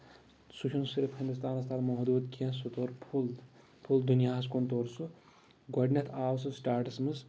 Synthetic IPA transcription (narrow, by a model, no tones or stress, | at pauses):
sut͡ʃʰunsiɾfhind̪ust̪aːnɐst̪aːlmɐɦd̪uːt̪kiɐ̃sut̪oːɾpʰul | pʰuld̪unjaːs̬kont̪oːɾsu | ɡɐɖnʲɐt̪ʰaːws̬ɐsʈaːʈɐsmɨs